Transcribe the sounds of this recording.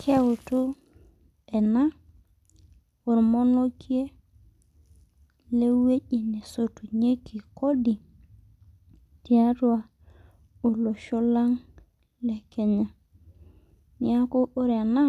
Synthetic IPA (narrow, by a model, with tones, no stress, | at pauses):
kʰe˦wo˨tu˦ | e˨na˦ | o˨ɾmo˦no˦ki˦e˦ | le˦we˦ʄi˨ni˨so˨tu˨ɲe˦ki˨ko˦ɗi˨ | ti˨a˦tu˦a˨ | o˨lo˨ʃo˦la˦ŋ | le˨ke˨ɲa˨ | ni˨˦a˦ko˦o˦ɾa˨na˦